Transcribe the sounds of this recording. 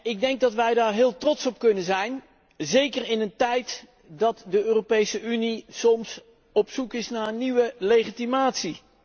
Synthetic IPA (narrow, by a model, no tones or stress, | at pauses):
ɪɡ̚dɛŋɡ̚dɑtʋɛjdaːɹɦɪːlˠtrɔtsɔp̚kɵnənzɛjn | zejkərɪnəntɛjt | dɑtdəøːropejsəʔynisɔms | ɔpsukɪsnaːəniʋəlejχitimaːtsi